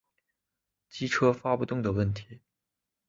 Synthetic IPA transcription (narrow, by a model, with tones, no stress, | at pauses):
t͡ɕi˥ʈ͡ʂʰɤ˥fa˥pu˥˩t̪ʊ˥ŋd̪ə˨˩wə˥˩nt̪ʰi̥˨˧˥